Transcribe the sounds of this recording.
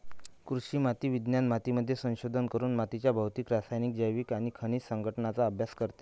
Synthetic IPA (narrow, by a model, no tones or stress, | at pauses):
kɾuɕiːmat̪iːʋid̪njanmat̪iməd̪ʱːjesə̃w̃ɕod̪ʱənkəɾuːnmat̪it͡ɕjabʱawt̪iːkɾasajnikd͡ʑəjʋiːkaɽ̃ikʰəɽ̃iːsəŋɡʱəʈnat͡saəbʱjaskəɾt̪e̥